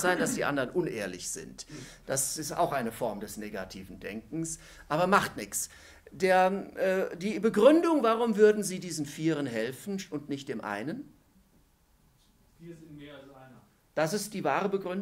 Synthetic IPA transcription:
z̥aɪnd̥asd̥iːʔa̰ndɐʁnʔʊnʔḛːɐlɪçz̥ɪ̰ntd̥asɪsta̰ʊxʔaɪnəfɔɐmdɛsneːɡa̰tʰiːvn̩dɛ̰ŋk̚ŋ̩s | ʔaːβɐmaχtnɪçt͡s | deːɐːdiːbəɡʁʏndʊŋvaʁʊmvʏɐdn̩ziːdiːzn̩fiːʁ̞ənɦɛlfn̩ʊntnɪçt̚d̥eːmʔa̰ɪnən | d̥as̬ɪst̚d̥iːvaːʁəbəɡʁʏn

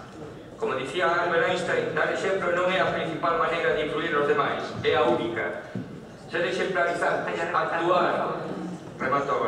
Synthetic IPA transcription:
komoðiθiaaɾβelaĩst̪ajd̪aɾeʃẽmplonõŋɛapɾĩnθipalmanejɾɐðɪifluiɾozðemajsɛaunikɐ̰ | ʒ̥aðeʃẽmplaβiθaɾt̪ɛɲaŋakt̪uaɾ | remat̪oɣ

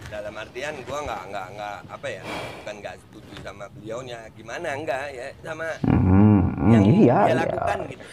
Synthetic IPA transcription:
dalamart̪iant̪uaŋɡaʔŋɡaʔŋɡaʔapaja̰bukanɡaʔst̪ud͡ʒuisamabiliawɲaɡimanaəŋɡajasamam̩h̩ijaja̰

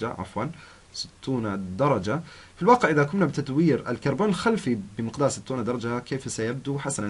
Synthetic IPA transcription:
d͡ʒa̰ʕa̰fwan | sɪ̥t̪ʰːuːnad̪ɑɾˤɑd͡ʒa | filwɑːqɪʕʔɪðakʊmnabɪt̪at̪wiːɾɪ̰lkɑɾˤboːnɪlxalfibɪmɪqd̪aːɾˤsɪt̪ːuːnad̪ɑɾˤɑd͡ʒahakeːfsajab̚d̪uħasana

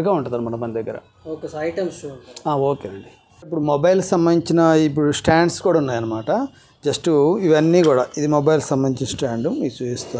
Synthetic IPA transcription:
ɡaːuɳʈud̪aːnumɐnɐkmɐnd̪id̪ɐɡːɐɾɐ̰ | oːkesɐɐjʈɐmsɳaːoːkeːɾeɖi | ip̬ːuɽumɔbɐjlksɐmbɐniɲt͡ʃinɐip̬ːuɽusʈaːɳɖskuːɽaːunːaːjɐnːɐmaːʈɐ | d͡ʒɐsʈuiʋɐnːiːkuːɽaːid̪imobɐjlksɐmbɐniɲt͡ʃinɐsʈaːɳɖumit͡ʃuːd͡ʒist̪u

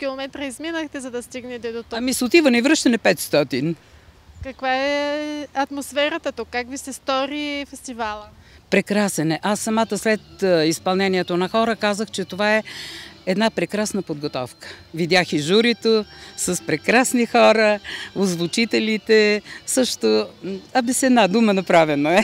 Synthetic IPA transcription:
kʲilˠomɛt̪ɾəizminəxt̪ɛzɐd̪ɐst̪iɡnɛt̪ɛd̪oɔɐmisʊt̪ivənɛivɾəʃt̪ɛnɛpɛt̪st̪ɔt̪inkɐkvaɛɐt̪mosfɛɾɐt̪ət̪okːakvisɛst̪ɔɾifɛst̪ivalˠəpɾɛkɾasɛnɛʔasːɐmat̪əslɛt̪ispɐlˠnɛniɛt̪onɐxɔɾəkazəxt͡ʃɛt̪ovaɛɛd̪napɾɛkɾasnəpod̪̚ɡot̪ɔfkə̥ | vid̪ʲjaxiʒuɾit̪osəspɾɛkɾasnixɔɾəozvʊt͡ʃit̪ɛlit̪ɛsɤʃt̪oɐbɛsɛd̪nad̪umənɐpɾavɛnoɛ

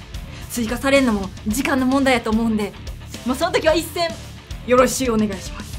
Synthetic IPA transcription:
sɨikasaɾe̞ɾɯnomod͡ʑikãnːo̞mõnd̪aid̪at̪oːmo̞ɯ̟̃nd̪e̞ | moso̞not̪okʲiβaisːẽ̞ | jo̞ɾo̞ɕiːone̞ɡaiɕi̥masɨ̥

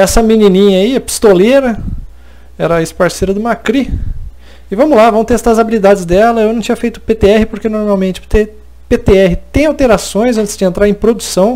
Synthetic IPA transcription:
ɛsɐminĩnĩɲɐiɐpi̥st̪oleɾɐ | ɛɾɐːɪspaɾseɾɐd̪ʊmakɾi | ɪvɐ̃mʊlavɐ̃w̃t̪eɛst̪aɾɐzabilid̪ad͡ʒɪzd̪ɛlɐewnɐ̃w̃t͡ʃĩɲ̃ɐfejt̪ʊ̥pet̪eɛhɪpoɾkenoɾmawmẽt͡ʃɪe | pet̪eɛɦɪt̪ẽj̃awt̪eɾasõj̃zɐ̃nt̪ɪzd͡ʒɪẽnt̪ɾaɾẽj̃pɾod̪usɐ̃w̃

